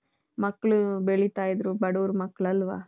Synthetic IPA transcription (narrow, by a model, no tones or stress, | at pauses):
mɐkːɐɭubeɭit̪aːjid̪ɾubɐɽuːɾmɐkːɐɭɐlːʋa̰ː